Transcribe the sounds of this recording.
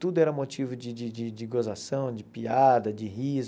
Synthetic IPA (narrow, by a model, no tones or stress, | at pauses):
t̪ud̪ʊɛɾɐmot͡ʃivʊd͡ʒɪd͡ʒɪd͡ʒɪd͡ʒɪɡozasɐ̃w̃d͡ʒɪpiad̪ɐd͡ʒɪɦiz